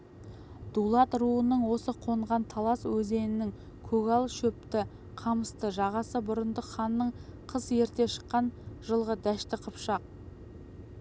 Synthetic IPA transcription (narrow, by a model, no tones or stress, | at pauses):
d̪̥ulˠɑt̪ɾuənəɴwo̞səqʰo̞ɴʁɑnt̪ʰɑlˠɑswɵze̞nɪnɪŋ | kʲʰɵɡɑlˠʃɵp̚t̪ɪ | qʰɑməst̪əʒɑʁɑsəbʊɾənd̪əχɑnːəɴqʰəzje̞ɾt̪e̞ʃə̥qːɑnʒəlˠʁəd̪æʃt̪ɪqʰəpʃɑq̚